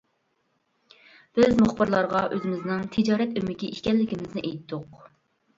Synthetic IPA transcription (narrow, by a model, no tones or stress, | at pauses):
b̥ɪzmʊχbɨɾlˠɑɾʁɑʔøzɪmɪznɪŋt̪ʰɪd͡ʒɑːɾɛt̪ømɪkʲiiʃkʲɛlːɪkʲɪmɪznɪʔejt̪dʊq